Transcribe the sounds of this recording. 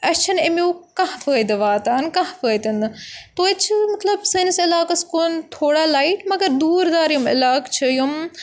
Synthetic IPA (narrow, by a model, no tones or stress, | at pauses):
ɐt͡ʃʰɐnemuːkɐ̃ɦpəːd̪ɨʋaːt̪aːnkɐɦfəːjt̪ɐnt̪oːit͡ʃʰɨmɐt̪lɐbsɐnsɪlaːkɐskoːnt̪ʰoːɽaːlaːiʈmɐɡɐɾd̪uːɾd̪aːɾjumɪ̰laːkt͡ʃʰɐjum